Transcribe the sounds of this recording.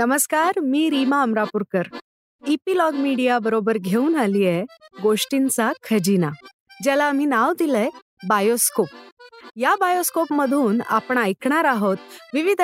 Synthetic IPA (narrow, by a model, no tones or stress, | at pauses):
nəməskaɾmiːɾimaəmɾapuɾkəɾ | ipilɔɡmiɽijabəɾobəɾɡʱeuːnalijeɡoʂʈint͡sakʰəd͡ʑina | d͡ʑɛlaːm̤iːnaʋd̪ilɛ | bajoskop̚jabajoskopməd̪ʱuːna̰pɳ̃aːjkɳ̃aɾaɦot̪ʋiʋid̪ʱ